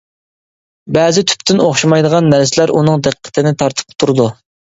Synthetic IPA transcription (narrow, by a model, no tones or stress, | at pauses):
bɛzɪt̪ʰy̥pt̪ʰɪnoχʃimɑjd̪əʁɑnːæɾsɪlæɾunɨŋd̪æqʰːə̥t̪ʰɪnɪt̪ʰɑɾt̪ʰɨ̥p̚t̪ʰuɾɨd̪u